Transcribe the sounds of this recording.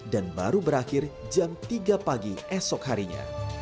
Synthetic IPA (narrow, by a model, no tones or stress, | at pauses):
danbaɾubəɾaxɪrd͡ʒamt̪iɡapaɡiɛsɔkhɦaɾiɲa̰